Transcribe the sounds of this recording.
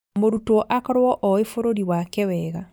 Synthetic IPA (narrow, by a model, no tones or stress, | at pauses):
moɾutɔʔakɔɾwɔʔɔefoɾoɾiwakɛwɛɣa